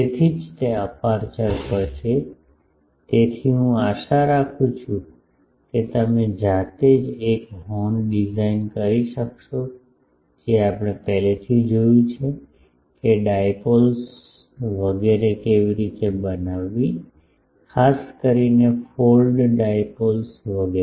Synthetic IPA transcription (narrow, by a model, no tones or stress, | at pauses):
et̪ʰid͡ʒt̪eəpaɾt͡ʃəɾpəɾʃe | t̪et̪ʰiɦũaʃaɾakʰũt͡ʃʰũ | ket̪əmẽd͡ʒat̪ed͡ʒekɦɔnɖizainkəɾiʃəkʃo | d͡ʒeapɽ̃epɛɦlet̪ʰid͡ʒojũt͡ʃʰe | keɖajpols | ʋəɡeɾekeʋiɾit̪ebənaʋːi | kʰaskəɾinefolɖɖajpolsʋəɡe